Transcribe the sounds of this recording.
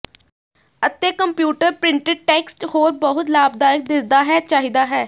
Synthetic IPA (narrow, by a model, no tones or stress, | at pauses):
ət̪eːkəmpjuːʈəɾpɾɪ̃ɳʈɪɖ̚ʈɛːksʈhoːɾbəɦʊt̪laːb̚d̪aːɾək̚d̪ɪsd̪aːɦɛːt͡ʃaːɦiːd̪aːɦɛː